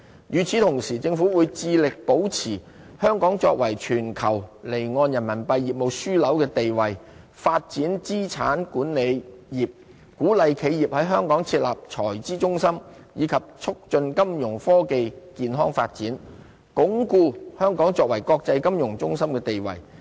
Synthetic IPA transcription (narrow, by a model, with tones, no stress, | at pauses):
jyː˨˩t͡sʰiː˨˧t̪ʰʊ˨˩ŋsiː˨˩t͡sɪ˧ŋfuː˨˥wuː˨˧jt͡siː˧lɪ˨k̚po˨˥wt͡sʰiː˨˩ | hœː˥ŋkɔː˨˥ŋt͡sɔː˧k̚wɐ˨˩jt͡ʃʰyː˨˩nkʰɐ˨˩wle˨˩jŋɔː˧njɐ˨˩nmɐ˨˩npɐ˨˧jːiː˨˩p̚mo˨˧wsyː˥lɐ˨˥wkɛː˧t̪e˨jwɐ˨j | faː˧t̚t͡siː˨˥nt͡siː˥t͡sʰaː˨˥nkuː˨˥nle˨˧jjiː˨p̚ | kuː˨˥lɐ˨jkʰe˨˧jiː˨p̚hɐ˨˥jɦœː˥ŋkɔː˨˥ŋt͡sʰiː˧t̚la̰ː˨p̚t͡ʃʰɔː˨˩jt͡siː˥t͡sʊ˥ŋsɐ˥m | jiː˨˧kʰɐ˨p̚t͡sʰʊ˥k̚t͡ʃɵ˧nkɐ˥mjʊ˨˩ŋfɔː˥ke˧jkiː˧nɦɔː˥ŋfaː˧t̚t͡siː˨˥n | kʊ˨˥ŋkuː˧hœː˥ŋkɔː˨˥ŋt͡sɔː˧k̚wɐ˨˩jkɔː˧k̚t͡sɐ˧jkɐ˥mjʊ˨˩ŋt͡sʊ˥ŋsɐ˥mkɛː˧t̪e˨jwɐ̰˨˩j